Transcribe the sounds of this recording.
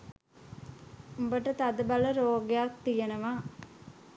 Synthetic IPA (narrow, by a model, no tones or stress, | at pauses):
umbəʈət̪ad̪əbalɐɾoːɡejak̚t̪ijɐnɐʋa